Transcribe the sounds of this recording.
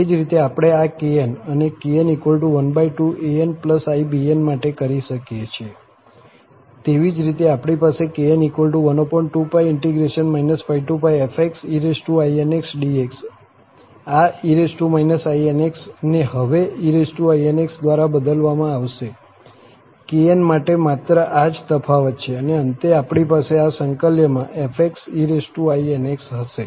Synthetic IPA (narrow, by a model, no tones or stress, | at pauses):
ed͡ʒɾit̪eapɽ̃eakeenənekeenikʋəlʈuʋənbaiʈuʔeenpləsaibienmaʈekəɾiʃəkjet͡ʃʰe | t̪eʋid͡ʒɾit̪eapɽ̃ipasekeenikʋəlʈuʋənopɔɳʈʈupaiɪɳʈiɡɾeʃənmainəsfaiʈupajefʰeksiɾesʈuaieneksɖieks | aiɾesʈumainəsaieneksneɦəʋeiɾesʈuaieneksd̪ʋaɾabəd̪əlʋamãaʋʃe | keenmaʈemat̪ɾəʔad͡ʒt̪əfʰaʋət̪t͡ʃʰeəneənt̪eapɽ̃ipaseasəŋkəljəmãʔefʰeksiɾesʈuaieneksɦəʃe